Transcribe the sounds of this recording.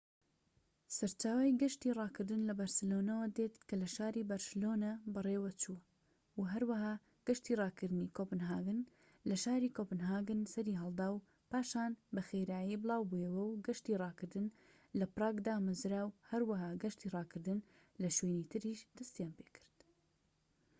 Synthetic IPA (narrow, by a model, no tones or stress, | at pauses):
sɐɾt͡ʃaːwajɡɐʃt̪iːrˤɑːkɨɾd̪ɨnlɐbɐɾsɨlonɐwɐd̪et̪kɐlɐʃaːɾiːbɐɾsɨloːnɐbɨrˤeːwɐt͡ʃuː | wɦɐɾwɐɦaː | ɡ̥ɐʃt̪iːrˤɑːkɨɾd̪niːkopɨnɦaːɡɨn | lɐʃaːɾiːkopɨnɦaːɡɨnsɐɾiːɦɐlˠd̪aːw | paːʃaːnbɐxejɾaːjiːbɨlˠaːwbujɐwɐwɡɐʃt̪iːrˤɑːkɨɾd̪ɨn | lɐpɾˤɑːɡd̪aːmɨzɾaːwhɐɾwɐɦaːɡɐʃt̪iːrˤɑːkɨɾd̪ɨn | lɐʃweːniːt̪ʰɨɾiːʃd̪̥ɐst̪ijaːnpeːkʰɨ̥ɾd̪̥